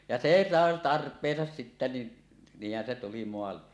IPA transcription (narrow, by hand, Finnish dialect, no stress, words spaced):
jɑ seː sɑˑe tɑrpˑeːsɑs sitːæ ni niːhˑæn se tuli moɑlːe